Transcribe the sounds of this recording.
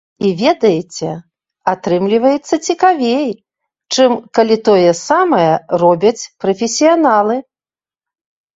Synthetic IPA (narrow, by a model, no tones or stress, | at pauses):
ivʲɛd̪ɐjɛt͡sʲɛ | at̪ɾɨmlʲivɐjɛt̪sːɐt͡sʲikavʲej | t͡ʂɨmkalʲit̪ɔjɛsamɐjɛrɔbʲɐt͡sʲpɾɐfʲesʲijanalˠɨ